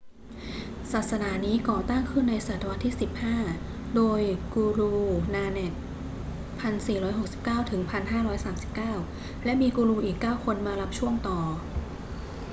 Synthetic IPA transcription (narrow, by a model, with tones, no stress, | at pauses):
saː˨˩t̪̚sa˧naː˩˦niː˦˥kɔː˨˩t̪aː˥˩ŋkʰɯ˥˩nːa˧jsaː˨˩t̪ʰːa˧wa˦t̪ʰːiː˥˩si˨˩p̚haː˥˩doː˧jkuː˧ɾuː˧naː˧nɛ˨˩k̪̚ | pʰa˧nsiː˨˩ɾɔː˦˥jho˨˩k̚si˨˩p̚kaː˥˩wt̪ʰɯ˩˦ŋpʰa˧nɦaː˥˩ɾɔː˦˥jsaː˩˦msi˨˩p̚kaː˥˩w | lɛ˦˥ʔmiː˧kuː˧ɾuː˧ʔiː˨˩kːaː˥˩wkʰo˧nmaː˧la˦˥p̚t͡ɕʰu˥˩əŋt̪ɔː˨˩